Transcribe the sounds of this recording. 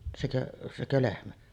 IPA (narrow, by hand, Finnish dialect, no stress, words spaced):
sekøʔ sekø lehmæ